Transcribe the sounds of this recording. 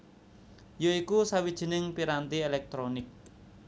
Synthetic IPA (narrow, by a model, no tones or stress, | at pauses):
joikusawid̥ʒ̥i̤nɪŋpiɾant̪ielɛk̚t̪ɾonɪk̚